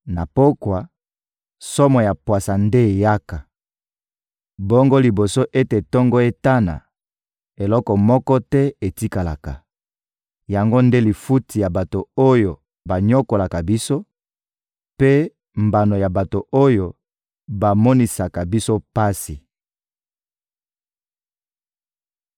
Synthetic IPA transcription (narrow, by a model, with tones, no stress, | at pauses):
na˨po˦kwa˨ | sɔ˦mɔ˨ja˨pwa˨sa˨nde˦e˨ja˦ka˨ | bɔ˦ŋɡo˦li˨bo˨so˦ʔe˦te˨tɔ˦ŋɡɔ˦e˦ta˦na̰˨ | e˨lɔ˦kɔ˨mɔ˦kɔ˦tɛ˦e˨ti˦ka˨la˨ka˨ | ja˨ŋɡo˦nde˦li˨fu˦tʰi˨ja˨ba˨to˨o˦jo˨ | ba˨ɲɔ˦ko˨la˨ka˨bi˦so˦ | pe˦ | mba˨no˨ja˨ba˨to˨ʔo˦jo˨ | ba˨mɔ˦ni˨sa˨ka˨bi˦so˦pa˦si˨